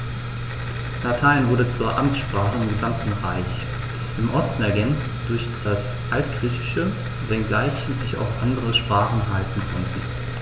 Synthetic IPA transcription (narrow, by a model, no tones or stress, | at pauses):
latʰaɪnvʊɐdət͡suːɐʔamt͡sʃpʁ̥aːχəɪmɡəzamtn̩ʁa̰ɪç | ʔɪmʔɔstn̩ɛɐɡɛnt͡std̥ʊɐçd̥as | ʔaltɡ̥ʁiːçɪ̥ʃə | vɛnɡlaɪçz̥ɪça̰ʊfʔandəʁəʃpʁ̥aːχn̩ɦaltn̩kʰɔntn̩